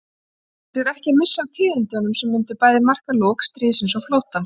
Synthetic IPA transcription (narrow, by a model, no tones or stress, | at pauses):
θɪðɛhcɪmɪsːawt̪ʰɪːðɪnt̪ɪɔnʏmsɛmːʏnt̪ʏpaːjðɪmar̥kalɔːkst̪ɾiːsɪns̬ɔwflowht̪an